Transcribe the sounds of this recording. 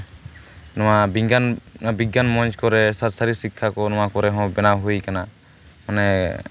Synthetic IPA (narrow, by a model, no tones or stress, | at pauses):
nɔwabiɡnbiɡanmɔnt͡ʃkɔɾɛsatsaɾisikʰːakɔnɔ̃wakɔɾɛɦɔ̃bɛnaɦujkana | manɛ